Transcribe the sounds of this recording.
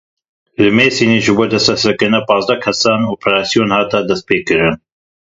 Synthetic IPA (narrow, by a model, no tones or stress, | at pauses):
lɨmeːsiːneːʒɨboːd̪ɛst̪ɾɛsɨɾkɨɾnɛpɑːzd̪ɛkʰɛsɑːnoːpʰɛɾaːsijoːnhɑːt̪ɑd̪ɛst̪̚peːkɨɾɨn